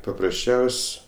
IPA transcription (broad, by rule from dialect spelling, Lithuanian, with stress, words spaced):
pɐprɐsʲˈt͡ʃʲɛʊsʲ